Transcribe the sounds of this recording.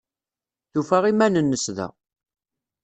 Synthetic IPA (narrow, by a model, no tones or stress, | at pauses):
θufæʁimænənːəsðæ̰